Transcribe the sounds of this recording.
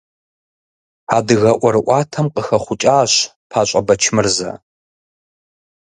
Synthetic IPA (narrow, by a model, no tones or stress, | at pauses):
aːdɨɣɐʔʷɔɾɨʔʷɑːtʰɐmqəxɐχʷʊt͡ʃʼaːɕ | pʰaːɕʷʼɐbɐt͡ʃʰmɨrzɐ̰